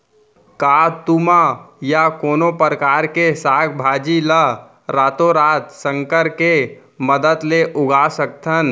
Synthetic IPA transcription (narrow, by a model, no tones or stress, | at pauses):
kat̪umajakoːnopəɾəkaːɾkesaːkʰbʱad͡ʒilə | ɾaːt̪oɾaːt̪səŋkəɾke | məd̪ət̪leʔʊɡʱasək̚t̪ʰən